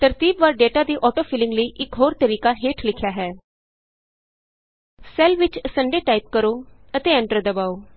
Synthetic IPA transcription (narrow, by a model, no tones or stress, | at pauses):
t̪əɾt̪iːbʋaɾɖeːʈad̪iːʔɔːʈofɪlɪ̃ŋɡləiʔɪkɦoːɾt̪əɾiːkaɦeːʈʰlɪkʰjaɦɛː | sɛlʋɪt͡ʃsəɳɖeʈaip̚kəɾoət̪eə̃ɳʈəɾd̪ɐbaːo